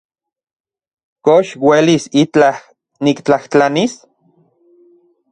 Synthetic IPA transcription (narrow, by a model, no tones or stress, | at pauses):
koʃwelisit͡ɬah | nikt͡ɬaht͡ɬanis